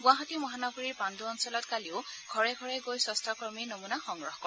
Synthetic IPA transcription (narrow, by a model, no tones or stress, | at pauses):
ɡʊ̃aɦɔtimɔɦanɔɡɔɹiɹpanduɔnsɔlɔtkaliʊɡʱɔɹɛɡʱɔɹɛɡojsɔstʰakɹɔɹminomunaxɔŋɹɔxkɔ